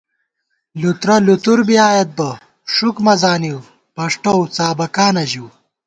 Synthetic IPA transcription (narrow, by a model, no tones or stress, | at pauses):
lut̪ɾɐlut̪uɾbiaːjɐt̪̚bɐ | ʂukmɐzaːniw | pɐʂʈowt͡saːbɐkaːnɐʑiw